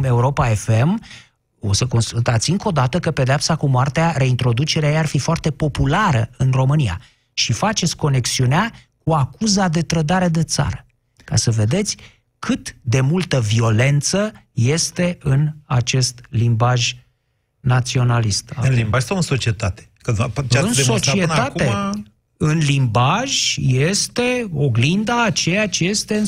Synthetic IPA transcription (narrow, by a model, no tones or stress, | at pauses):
me̞uɾo̞pae̞fe̞m | o̞səko̞nsult̪at̪sʲɨŋko̞d̪at̪əkəpe̞d̪eapsakumoart̪eaɾe̞int̪ɾo̞d̪ut͡ʃeɾeajearfifoart̪e̞po̞pulaɾəɨnro̞mɨnija̰ | ʃifat͡ʃe̞t̪sʲko̞ne̞ksiunea | kuakuzad̪e̞t̪ɾəd̪aɾe̞d̪e̞t̪sa̰ɾə | ka̰səve̞d̪e̞t̪sʲ | kʰɨt̪d̪e̞mult̪əvio̞le̞nt̪sə | je̞st̪e̞ɨna̰t͡ʃe̞st̪limbaʒʲ | nat̪sio̞nalist̪ɨnlimbaʒsawɨnso̞t͡ʃiet̪at̪e̥kəpɨnesot͡ʃienatue | ɨnlimbaʒʲje̞st̪e̞o̞ɡlind̪aːt͡ʃe̞jat͡ʃje̞st̪e̞ɨn